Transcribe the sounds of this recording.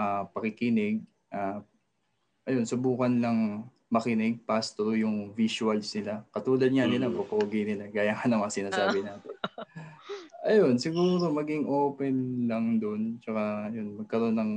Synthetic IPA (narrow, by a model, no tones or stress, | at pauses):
ʔapɐkɪkɪnɪɡ̚ | ʔa | ʔɐjo̞nsʊbuːkɐnlɐŋ | mɐkɪnɪɡ̚past̪oɾojʊŋvisʊɐlsnɪlakɐt̪uːlɐd̪̚ŋanɪlapokɐoɡɪjnɪlaɡaːjaŋanɐmɐsɪnaːsaːbɪnaːt̪ɛn | ʔɐjo̞nsɪɡuːɾo̞mɐɡɪŋʔoːpɛnlɐŋd̪ont͡ʃɐkaɐjo̞nmɐɡ̚kɐɾo̞nːɐŋ